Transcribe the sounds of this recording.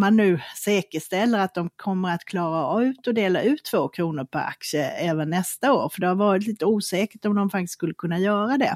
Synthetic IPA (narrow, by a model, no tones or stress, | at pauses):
manːʉ̟ːsɛːkəʂt̪ɛlːəɾat̪̚d̪ɔmkʰɔmːəɾat̪kʰlɑːɾaʉ̟ːt̪ɔd̪eːlaʔʉ̟ːt̪ʰːv̥oːkʰɾuːnəɾpʰɔ̰ɾa̰ksəɛːvənːɛst̪aoːɾfœɖɛhaɾvɑːɾɪt̪liːt̪əuːsɛːkəʈɔmd̪ɔmfakt̪ɪst̪skɵlːəkʰɵnːajœːɾad̪ɛ̰